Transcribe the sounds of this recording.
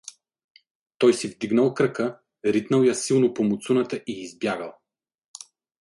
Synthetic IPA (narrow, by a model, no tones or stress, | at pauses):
t̪ɔjsivd̪iɡnəlˠkɾəkə | ɾit̪nəlˠjasilˠnopomʊt̪sunət̪əʔiːzbjaɡəlˠ